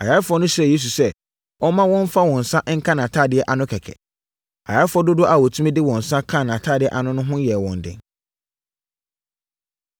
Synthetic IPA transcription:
a̰˨ja˦fʊ˨ɔ˦nʊ̃˦sɾɛ˦˨je˦s̬u˨sɛ˦ | ɔ˦mã˦wɔ̃˦m˦fa˦wɔ̃˨n̩˨sã˦ʔŋ̩˦kʰã˦nã˨tʰaː˦˨dɪ˨ɛ˦ʔa˨nʊ̃˦kʰɛ˨kʰɛ̰˨ | a̰˨ja˦fʊ˦ɔ˦dʊ˦dʊ˦ʔa˨wɔ˨tʰu˦mĩ˦dɪ˦wɔ̃˨n̩˨sã˦kʰã˦˨nã˨tʰaː˦˨dɪ˨ɛ̰˨ʔa˨nʊ̃˦nʊ̃˦ɦʊ̃˦jɛ˨wɔ̰̃˨ndɪ̰˨

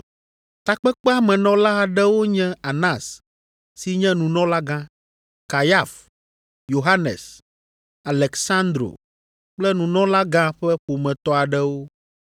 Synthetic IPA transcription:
t̪a˨k͡pɛ˦k͡pɛ˦a˦mɛ̃˨nɔ̃˦la˦a˨ɖɛ˦wo˦ɲɛ̃˦a˨nã˦˨s | si˨ɲɛ̃˦nũ˨nɔ̃˦la˦ɡã˦ | ka˨ja˦˨f | jo˨ɦa˦nɛ̰˨s | a˨lɛ˨ksã˦nd̪ɾo̰˨ | k͡plɛ˦nũ˨nɔ̃˦la˦ɡã˦ɸɛ˦ɸo˨mɛ̃˨t̪ɔ˦a˨ɖɛ˦wo˦

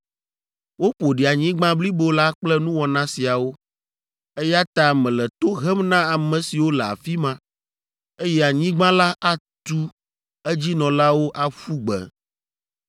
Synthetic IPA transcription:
wo˦ɸo˨ɖi˨a˨ɲĩ˦ɡ͡bã˦bli˦bo˨la˦k͡plɛ˦nũ˦wɔ˨nã˦si˨a˨wo˦ | e˦ja˦t̪a˦mɛ̃˨lɛ˨t̪o˦ɣɛ˦mnã˦a˨mɛ̃˨si˨wo˦lɛ˨a̰˨fi˦mã˨ | e˦jɛ˦a˨ɲĩ˦ɡ͡bã˦la˦ʔa˦t̪u˦ | ɛ˦d͡ʑi˦nɔ̃˨la˦wo˦ʔa˨fu˦ɡ͡bɛ̰˨

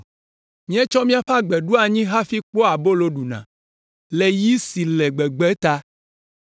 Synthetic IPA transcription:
mĩ˦ɛ˦t͡ʃɔ˦mĩ˦a˨ɸa˦ɡ͡bɛ˨ɖu˦a˨ɲĩ˦ɦa˦fi˦k͡po˦a˨bo˦lo˦ɖu˨nã̰˨ | lɛ˨ji˦si˨lɛ˨ɡ͡bɛ˨ɡ͡bɛ˦t̪a˦

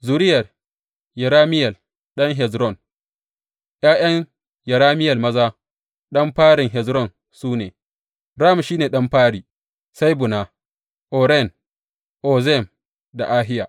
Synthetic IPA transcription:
zu˨ɾɪ˦jɐ˨r | jɐ˨ɾaː˦mɪ˦jɐ˨l | ɗɐ˦ŋɦɛ˨zɾɔ˦˨n | j̰aː˦j̰ɐ˦ŋ | jɐ˨ɾaː˦mɪ˦jɐ˨lmɐ˦zaː˦ | ɗɐ˦mɸaː˦ɽɪ˨ŋɦɛ˨zɾɔ˦˨n | suː˦nḛː˨ | ɾaː˦˨m˨ʃiː˦neː˨ɗɐ˦mɸaː˦ɽiː˨ | sa˦jbʊ˨na˨ | ʔoː˨ɾɛ˦˨n | ʔoː˨zɛ˦˨m | da̰˨ʔaː˦ɦɪ˦ja̰ː˨ʔ

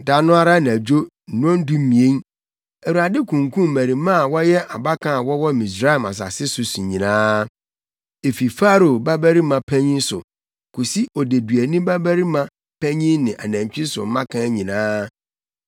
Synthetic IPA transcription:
da˦nʊ̃˦a˦ɾa˦ñ˨æ˨d͡ʑᶣo˦˨ | nʊ̃˦ɔ̃˦n̩˦dũ˦mĩ˨ẽ˦ŋ | æ˨wu˨ɾa˨dɪ˦kʰũ˨ŋkũ˦m˨mæ˨ɾi˨mã˦˨wɔ˦jɛ˦ʔa˨ba˦kʰã˨wɔ˦wɔ˦mĩ˨sɾa˦˨ma̰˨s̬a̰˨sɪ˦sʊ˨su˨ɲĩ˨nãː˦ | e˨fi˨fa˦ɾo˨ba˦bæ˦ɾi˦mã˨pʰæ̃˦ɲĩ˦nsʊ̰˨ | kʰu˨si˦ɔ˨de˨dɥæ˨nũ˦bæ˦bæ˦ɾi˦mã˨ | pʰæ̃˦ɲĩ˦nnɪ̃˨ʔa˨næ̃˨ɲ˨t͡ɕᶣi˦sʊ̰˨m˦mã˦kʰã˨˦ɲĩ˨nãː˦

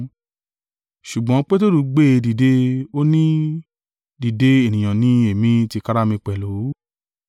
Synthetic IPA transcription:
ʃu˨ɡ͡bɔ̃˨˦k͡pe˦to˦ɾu˧˦ɡ͡be˦˧di˨de˧o˦nĩ˦ | di˨de˨˦e˦˨nĩ˨j̃ã˨nĩ˨˦e˨mĩ˧ti˧ka˦˧ɾa˦mĩ˧k͡pɛ˨lo˨˦

